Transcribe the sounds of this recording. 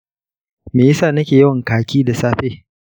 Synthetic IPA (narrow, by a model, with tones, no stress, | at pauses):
meː˨jɪ˦saː˦˨nɐ˦kʲeː˨jɪ˦wɐ˨ŋkaː˨kʲiː˦da˨saː˦ɸeː˦